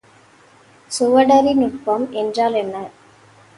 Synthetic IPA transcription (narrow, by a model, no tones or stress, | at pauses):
sʊʋɐɽɐɾinʊʈ̚pɐmɛndraːlɛnːɐ